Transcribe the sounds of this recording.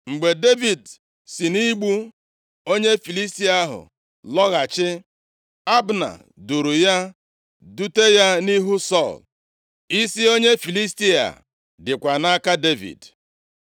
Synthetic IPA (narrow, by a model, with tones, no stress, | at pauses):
ŋ͡m̩˨ɡ͡be˨de˦vi˨d | si˨ni˦ɡ͡bu˦ | o˦ɲe˦fi˨li˦sti˦a˦ɦʊ̰˨ | lɔ˦ɣa˨t͡ʃɪ˦ | a˦bna̰˨ | du˨ɾu˨ja˦ | du˦te˦ja˦ni˦ɦu˦sɔ˦˨l | i˦si˦o˦ɲe˦fi˨li˦s̬ti˦a̰˨ | dɪ˨kʷa˨na˦ka˦de˦vḭ˨d